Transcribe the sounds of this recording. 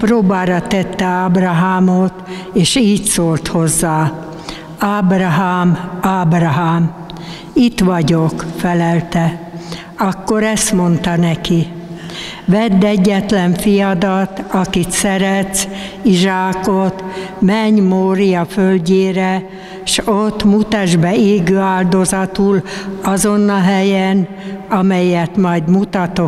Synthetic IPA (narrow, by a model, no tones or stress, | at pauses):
proːbaːɾɒt̪ɛt̪ːɛaːbrɒɦaːmoːt̪ | eːʃiːcsoːlt̪ho̞zːaː | aːbrɒɦaːmaːbrɒɦaːm | it̪ʋɒɟokfɛlɛlt̪ɛ | ɒkːo̞ɾɛst̪mo̞nt̪ɒnɛki | ʋɛd̪ːɛɟːɛt̪lɛɱfijɒd̪ɒt̪ɒkit̪sɛɾɛt̪siʒaːkot̪mɛɲmoːɾijɒfølɟeːɾɛ | ʃot̪ːmut̪ɛʒbɛeːɡøːaːld̪o̞zɒt̪ulɒzonːɒɦɛjɛn | ɒmɛjːɛt̪mɒjd̪mut̪ɒt̪o